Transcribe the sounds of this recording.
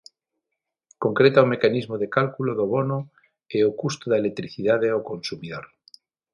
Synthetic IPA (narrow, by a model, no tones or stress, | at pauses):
ko̞ŋkɾet̪aome̞kanizmoðekalkuloðoβono | eokust̪oðelek̚t̪ɾiθiðaðeokonsumiðoɾ